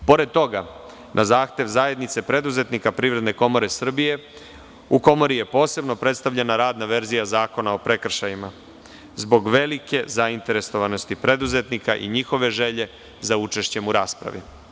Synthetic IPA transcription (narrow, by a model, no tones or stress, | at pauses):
po̞ɾe̞d̪̚t̪o̞ɡa | nʔazaːxt̪e̞ʋzaje̞d̪nit̪se̞pɾe̞d̪uze̞t̪nikapɾiːvɾe̞d̪ne̞ko̞mo̞ɾe̞sr̩bije̞ | uko̞mo̞ɾije̞po̞ːse̞bno̞pɾe̞t̪st̪aʋvʎenaɾaːd̪naʋe̞ɾzijazaːko̞nao̞pɾe̞kr̩ʃajima | zbo̞ɡʋe̞like̞zaint̪e̞ɾe̞so̞ʋano̞st̪ipɾe̞d̪uze̞t̪nikaʔḭɲixo̞ʋe̞ʒe̞ʎe̞ | zaut͡ʃe̞ʃt͡ɕe̞muɾaːspɾa̰ʋḭ